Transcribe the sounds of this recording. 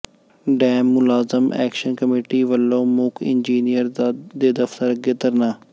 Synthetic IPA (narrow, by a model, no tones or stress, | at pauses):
ɖɛːmːʊlaːzəmɛ̰ːkʃənkəmeːʈiːʋəlːõːmʊkʰɪ̰nd͡ʒiːnijəɾd̪eːd̪əft̪əɾɡɪt̪əɾnaː